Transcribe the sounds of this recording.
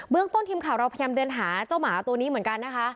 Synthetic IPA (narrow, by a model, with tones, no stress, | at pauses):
bɯ˥˩əŋt̪o˥˩nt̪ʰiː˧mkʰaː˨˩˦wɾa˧pʰjaː˧mdɤː˧nɦaː˩˦t͡ɕaː˥˩wmaː˩˦t̪u˧əniː˦˥mɯ˩˦ə˦nka˧nːa˦˥kʰa˦˥